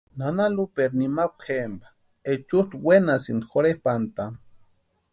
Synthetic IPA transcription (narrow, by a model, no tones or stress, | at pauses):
nanalupeɾnimakʷxʰembḁ | et͡ʃut̪wenasind̪xoɾehpant̪a